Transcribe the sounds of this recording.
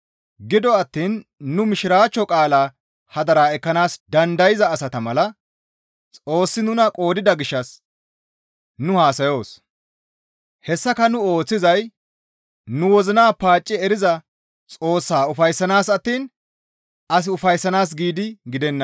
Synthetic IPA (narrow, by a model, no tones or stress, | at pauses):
ɡɪd̪ɔɐt̪ːiːnːʊmɪʃɪɾaːt͡ʃːɔkʼaːlaː | hɐd̪ɐɾaːɛkːɐnaːsd̪ɐnd̪ɐjɪzɐːsɐt̪ɐmɐlɐ | t͡sʼo̞ːsːɪnʊnɐkʼo̞ːd̪ɪd̪ɐɡɪʃːɐs | nʊhaːsɐjo̞ːs | hɛsːɐkɐnʊo̞ːt͡sːɪzɐj | nʊwɔzɪnaːpaːt͡ʃʼːɪɛɾɪzɐ | t͡sʼo̞ːsːaːʊfɐjsːɐnaːsɐt̪ːiːn | ɐs̬ɪʊfɐjsːɐnaːs̬ɡiːd̪ɪɡɪd̪ɛnːɐ